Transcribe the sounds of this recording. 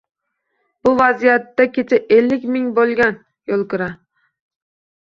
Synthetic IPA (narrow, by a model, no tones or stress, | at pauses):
b̥ʊvazijat̪ːakʲet͡ʃʰɪʔelːɪkʲmɪŋbolˠɡʲan | jolˠkʊɾa